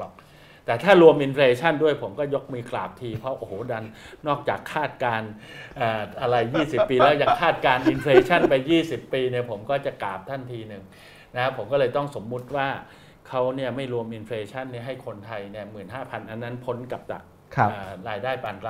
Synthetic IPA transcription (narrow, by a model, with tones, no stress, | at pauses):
t̪ɛː˨˩t̪ʰaː˥˩ɾu˧əmʔi˧nfleː˧t͡ɕʰa˥˩ndu˥˩əjpʰo˩˦mkɔː˥˩jo˦˥k̚miː˧klaː˨˩p̚t̪ʰiː˧pʰɾɔ˦˥wʔo˨˩hoː˩˦da˧nːɔː˥˩k̚t͡ɕaː˨˩kʰːaː˥˩t̪̚kaː˧nʔaː˨˩ʔa˧ɾa˧jːiː˥˩si˨˩pːiː˧lɛː˦˥wja˨˩ŋkʰaː˥˩t̪̚kaː˧nʔi˧nfʰleː˧t͡ɕʰa˥˩npa˧jːiː˥˩si˨˩pːiː˧ni˥˩ɐpʰo˩˦mkɔː˥˩t͡ɕa˨˩kla̰ː˨˩p̚t̪ʰa˥˩nt̪ʰiː˧nɯ˨˩ŋ | na˦˥pʰo˩˦mkɔː˥˩lɤː˧jt̪ɔ˥˩ŋso˩˦mːu˦˥t̪̚waː˥˩ | kʰa˦˥wni˥˩əma˥˩jɾu˧əmʔi˧nfʰeː˧t͡ɕʰa˥˩nːi˥˩ɦa˥˩jkʰo˧nt̪ʰa˧jni˥˩əmɯː˨˩nɦaː˥˩pʰa˧nʔa˧nːa˦˥npʰo˦˥nka˨˩p̚da̰˨˩k̚ʰː | ɾaː˧jdaː˥˩jpaː˧nk